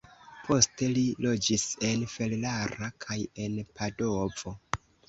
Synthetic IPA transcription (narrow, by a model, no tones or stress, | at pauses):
pʰo̞ste̞lilo̞d͡ʒise̞nfe̞llaɾakʰaje̞npʰado̞vo̞